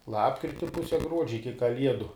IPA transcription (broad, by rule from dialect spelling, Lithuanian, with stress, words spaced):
ˈlˠɑːpkrʲɪtʲɪ ˈpʊsʲɛ ˈɡruɔd͡ʒʲɛ ɪkʲɪ kɐˈlʲiɛdʊ